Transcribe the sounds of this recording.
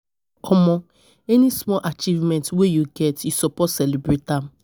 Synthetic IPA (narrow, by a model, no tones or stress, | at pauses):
ɔmɔ̃ | ɛnismɔlʔat͡ʃivmɛ̃ntwejuɡɛtjusɔpɔtsɛlibɹetãm